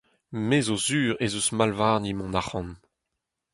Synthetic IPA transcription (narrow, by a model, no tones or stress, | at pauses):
mezozyːʁezusmalvaːʁnimɔ̃naχɑ̃n